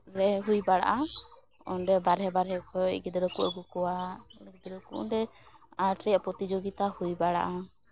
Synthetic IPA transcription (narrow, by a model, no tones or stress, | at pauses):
ɾɛɦujbaɽa̰ʔa | ɔ̰nɖɛbaɾɦɛbaɾɦɛkʰɔɛ̰ɡid̪ɛɾɔkuʔɔɡukɔwaɛɡid̪ɾɔkṵʔɔ̰ɖɛaʈɾɛjapɔt̪id͡ʒoɡit̪ahujbaɽa̰ʔa